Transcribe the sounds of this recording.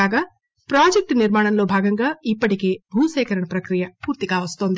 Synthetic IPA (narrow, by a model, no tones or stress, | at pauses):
aːɡɐ | pɾaːd͡ʒek̚ʈnɪɾmaːɳ̃ɐnloːbʱaːɡɐ̃ŋɡɐipɐʈikebʱuːseːkɐɾɐɳpɾɐkɾijapuːɾt̪ikaːʋɐst̪õːnd̪